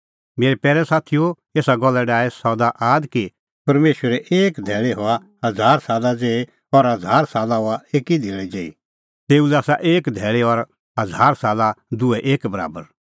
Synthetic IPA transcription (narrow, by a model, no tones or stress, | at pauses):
meːɾepɛːɾɛsaːt̪ʰijo | eːsaɡɔlːɛɖaːesɔd̪aʔaːd̪ki | pɐɾmeːʃwəɾɛʔeːkd̪ʱɛːɭeɦɔa | ɦɐd͡zʱaːɾsaːlad͡zeːe | ɔɾɦɐd͡zʱaːɾsaːlaɦoaeːkid̪ʱeːɭɛd͡ʒeːḭ | t̪eːulɛaːsaʔeːkd̪ʱɛːɭeɔɾ | ɦɐd͡zʱaːɾsaːlad̪ʊɛʔeːkbɐɾa̰ːbəɾ